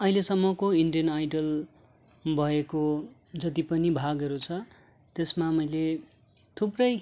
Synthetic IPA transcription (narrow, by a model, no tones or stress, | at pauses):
ʌɦilesʌmːʌkoiɳɖijʌnajɖʌl | bʱʌeko | d͡zʌt̪ipʌnibʱaɡʌɾut͡sʰʌ | t̪esmamʌjle | t̪ʰuprʌj